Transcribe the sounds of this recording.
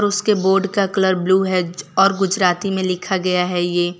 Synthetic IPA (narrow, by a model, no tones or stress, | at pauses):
ɔɾʊskeboːɾɖkakələɾbluːɦɛd͡ʒɔːɾɡʊd͡ʒɾaːt̪imẽlɪkʰaɡɐjaɦɛjeː